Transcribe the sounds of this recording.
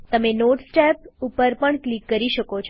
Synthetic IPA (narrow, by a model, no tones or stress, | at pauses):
t̪əmenoʈsʈɛpupəɾpəɳklikːəɾiʃəkot͡ʃʰ